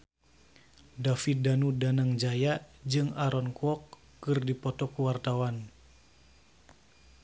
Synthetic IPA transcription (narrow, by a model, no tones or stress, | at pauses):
dafit̪̚danudanaŋd͡ʒajad͡ʒɨŋaɾɔnkuɔkː | ɨrdipɔt̪ɔkuwart̪awan